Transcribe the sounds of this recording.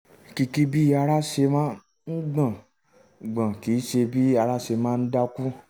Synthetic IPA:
ki˧ki˦bi˦a˧ɾa˦ʃe˧mãː˦ | n̩˦ɡ͡bã˦˨ | ɡ͡bã˨ki˨˦ʃe˧bi˦a˧ɾa˦ʃe˧mãː˦˧n̩˦da˦ku˦

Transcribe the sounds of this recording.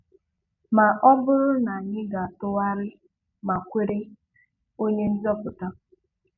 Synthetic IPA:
ma˨ʔɔ˦bʊ˦ɾʊ˦na˨ɲɪ˦ɡa˨tʊ˦wa˦ɾɪ˦ | ma˨kʷe˦ɾe˦ | o˦ɲe˦n̩˦zɔ˦pʊ˨ta˦

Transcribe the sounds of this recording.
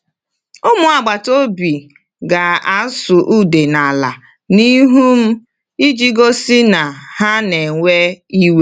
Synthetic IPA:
ʊ˦mʊ˨a˨ɡ͡ba˨to˦bi˨ | ɡa˨a˨˦sʊ˨ʔu˦de˨na˨la̰˨ | ni˦ɦu˦m̩˦ | i˦d͡ʒi˦ɡo˦si˦na˨ha˦ne˨ŋʷe˦i˦we˦

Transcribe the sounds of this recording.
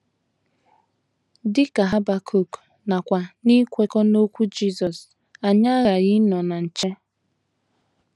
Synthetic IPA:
dɪ˦ka˨ɦa˦ba˨kʰu˨k | na˨kʷa˨ni˦kʷe˦kɔ˦no˦kʷu˦d͡ʒi˦zɔ˨s | a˨ɲa˦ɣa˨ɣɪ˦nɔ˨na˨n̩˨t͡ʃe˦

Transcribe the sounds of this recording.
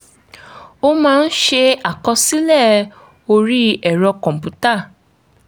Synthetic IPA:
o˦mãː˦˧n̩˦ʃe˧a˨kɔ˧si˦lɛ˦˨ | o˧ɾi˦ɛ˨ɾɔ˧kɔ̃˨m̩˨pu˦ta˦˨

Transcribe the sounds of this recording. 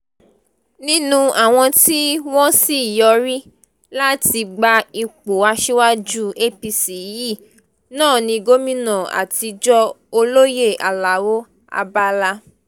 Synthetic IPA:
nĩ˦nũ˦a˨w̃ɔ̃˧ti˦w̃ɔ̃˦si˦˨jɔ˧ɾi˦ | la˦ti˧ɡ͡ba˧i˧k͡po˨a˧ʃe˦wa˦d͡ʒu˦e˦pi˧si˨ji˦˨ | nãː˦˨nĩ˧ɡo˦mĩ˦nã˨a̰˨ti˧d͡ʒɔ˦ | o˧lo˦je˦˨ʔa̰˨la˨wo˦ | a̰˧ba˦la˧

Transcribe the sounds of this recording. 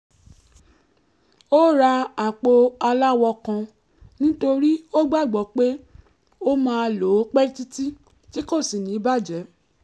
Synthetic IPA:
o˦ɾa˧a˨k͡po˧a˧la˦wɔ˧kã˧ | nĩ˦to˧ɾi˦o˦ɡ͡ba˦˨ɡ͡bɔ˨k͡pe˦ | o˦mã˦˧lo˨˦k͡pɛ˦ti˦ti˦ | ti˦ko˦˨si˨nĩ˨˦i˦ba˦˨d͡ʒɛ˨˦

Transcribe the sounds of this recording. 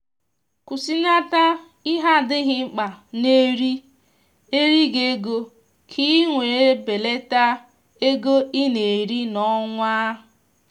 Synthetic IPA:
ku˨si˦na˦ta˦ | i˦ɦa˦˨dɪ˦ɦɪ˦ŋ͡m̩˦k͡pa˨ne˦ɾi˦ | e˦ɾi˦ɡe˦ɡo˦ | kʰi˦ŋʷe˨e˦be˨le˦ta˦ | e˦ɡo˦i˦ne˨ɾi˦nɔ˦ŋʷaː˦

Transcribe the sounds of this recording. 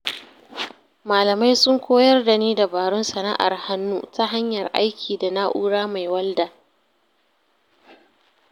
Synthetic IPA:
maː˨lɐ˨ma˦jsʊ˦ŋkʷʰoː˦jɐ˦rda˨niː˦da˨baː˨ɾʊ˦nsɐ˨na̰˦ʔa̰˨rha˦nːuː˦ta˦ɦa˦ɲjɐ˨rʔa̰˦jkʲʰiː˨da˨na˦ʔuː˦ɽaː˦ma˨jwɐ˦ldaː˨

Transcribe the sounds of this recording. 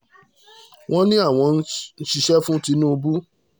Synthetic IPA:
w̃ɔ̃˦nĩ˦a˦˨w̃ɔ̃˧˦n̩˦n̩˦ʃi˧ʃɛ˦fũ˦ti˧˦nũ˦o˧bu˦

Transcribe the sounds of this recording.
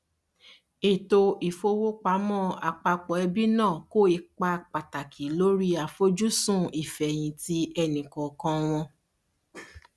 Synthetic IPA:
e˨to˧i˨fo˧wo˦k͡pa˨˦mɔ̃˦˨a˨k͡pa˧k͡pɔ˨˦ɛ˧bi˦nãː˦˨ko˦i˧k͡pa˧k͡pa˨ta˨kʰi˨lo˦ɾi˦a˨fo˦d͡ʒu˦sũ˦˨i˨fɛ˨j̃ĩ˧ti˧˦ɛ˧nĩ˨kɔ̃˨kã˧w̃ɔ̃˧

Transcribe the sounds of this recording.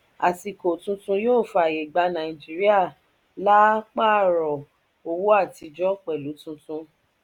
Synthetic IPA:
a˨si˨ko˨tũ˧tũ˧˦joː˦˨fa˨je˨ɡ͡ba˧˦nã˨ĩ˨d͡ʒi˨˦ɾi˦a˦˨ | la˦k͡pa˦˨ɾɔ˨ | o˧wu˦a˦˨ti˧d͡ʒɔ˦k͡pɛ˨lu˨˦tũ˧tũ˧

